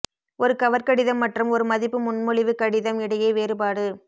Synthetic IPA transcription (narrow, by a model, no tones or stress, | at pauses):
ʔɔɾɯkɐʋɐɾkɐɽɪðɐmːɐʈrɯmɔɾɯmɐðɪpːɯmʊnmʊɭɪʋɯkɐɽɪðɐmɪɽɐjɐɪʋeːɾɯpaːɽɯ